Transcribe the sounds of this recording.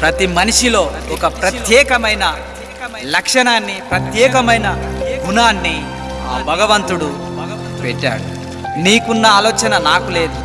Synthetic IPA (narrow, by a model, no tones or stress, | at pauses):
pɾɐt̪imɐniʂilo̞ːɔkɐpɾɐt̪jɛːkɐmɐjnɐ | lɐkʂɐɳaːnːipɾɐt̪jɛːkɐmɐjnɐɡunaːnːi | aːbʱɐɡɐʋɐnt̪uɽu | pɛʈːa̰ːɽu | niːkunːɐaːlɔːt͡ʃɐnɐnaːkule̞ːd̪u